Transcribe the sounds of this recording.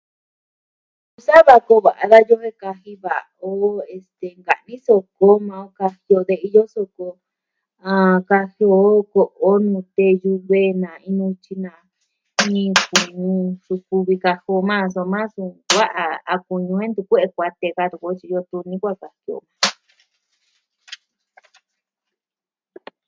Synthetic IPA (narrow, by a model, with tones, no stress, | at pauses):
u˧sa˦βa˧ko˧βa˨ʔa˧ða˦jo˦he˦ka˧hi˧βa̰˨ | o˦e˧st̪e˨ŋɡa̰˨nĩ˦so˧ko˦mã˧o˧˦ka˧hi˧o˧ðe˧i˧jo˦so˧ko˧ | ã˧ka˧hi˧o˧ko˧˨ʔo˦nũ˧t̪e˧ju˧βe˦nã˨ĩ˧nũ˧t͡ʃi˧nã˨ | ĩ˦ku˨ɲũ˧ʂu˧ku˧βi˧ka˧ho˧mã˦˧s̬o˧mã˦su˧wa˦ʔa˧a̰˧ku˨ɲũ˧ẽ˦nd̪u˧kʷe˦ʔe˧kʷa˧t̪e˧ka˧t̪u˧kʷːt͡ʃi˧o˧t̪u˧nĩ˦kʷa˦ka˨hi˧o̰˧˨mã˧